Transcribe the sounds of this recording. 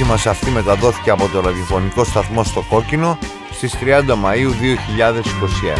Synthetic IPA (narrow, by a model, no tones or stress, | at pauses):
imɐsɐft̪ime̞t̪ɐðo̞θi̥ceɐpo̞t̪o̞ɾɐðiofo̞niko̞st̪ɐθmo̞st̪o̞ko̞cino̞ | st̪ist̪ɾiɐnd̪ɐmɐiuðio̞çiʎɐðe̞si̥ko̞siḛn